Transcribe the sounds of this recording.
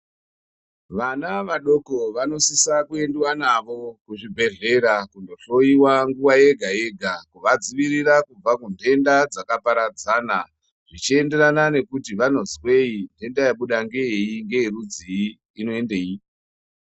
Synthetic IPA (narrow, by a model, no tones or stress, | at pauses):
ʋanaʋaɗo̞ko̞ʋano̞sisakue̞ndiwanaʋo̞kuʐibʱe̞ɮe̞ɾakundo̞ɬo̞jiwaŋɡuwaje̞ɡʱaje̞ɡʱakuʋad͡ziʋiɾiɾakub͡vakundʱe̞ndad͡zakapaɾad͡zana | ʐ̥it͡ʃie̞nde̞ɾanane̞kutiʋano̞zwe̞inde̞ndajaɓuɗaŋɡe̞jeiŋɡe̞iɾud͡ziː | no̞e̞ndei